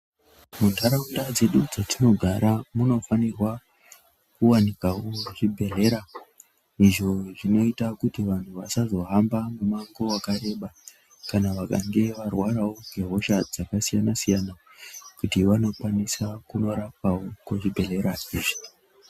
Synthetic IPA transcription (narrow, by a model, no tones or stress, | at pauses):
mundʱaɾaundad͡ze̞ɗud͡zatino̞ɡʱaɾʔamuno̞fanirwa | kuwanikawoʐibʱe̞ɮe̞ɾa | iʐo̞ʐino̞itakutiʋan̤uʋasazo̞ɦambamumaŋɡo̞wakaɾe̞ɓa | kanaʋaka̰ŋɡe̞ʋarwaɾawoŋɡʱe̞ɦo̞ʃad͡zakasijanasijana | kutiʋano̞kwanisakuno̞ɾap̚awokuʐibʱe̞ɮe̞ɾaiːʐi̥